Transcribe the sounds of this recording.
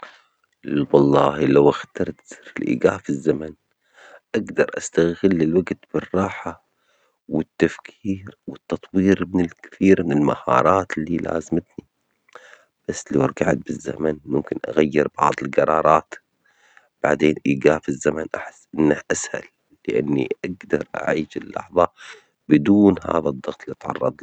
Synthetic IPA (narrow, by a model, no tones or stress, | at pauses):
wɑlˤːɑːhlawʔaxt̪ɑɾˤt̪sɨɾɪlʔḭːɡaːfizːaman | ʔaɡd̪ɑɾˤʔast̪aɣɪlːɪlwaɡt̪b̥ɪrˤːɑːħa | wɪt̪ːafkʰiːɾwɪt̪ːɑt̪ˤwiːɾmɪnɪlkɪ̥θiːɾmɪnɪlmahɑ̰ːɾˤɑːt̪lːiːla̰ːzmɪt̪ni | b̥asːlawɾˤɡaʕt̪̚bɪzːa̰manmʊmkɪnʔa̰ɣajːɪɾbɑʕðˤɪlɡɑɾˤɑːɾˤɑːt̪ | b̥aʕd̪eːnʔiːɡaːfɪzːamanʔaħɪsːʔɪnːahʔasha̰lː | ɪʔa̰nːḭʔaɡd̪ɑɾˤʔa̰ʕiːʃɪlːɑ̰ħðˤɑ | bɪd̪uːnha̰ːðad̪ˤːɑɣt̪ˤlit̪ʕɑ̰rˤːɑ̰d̪ˤ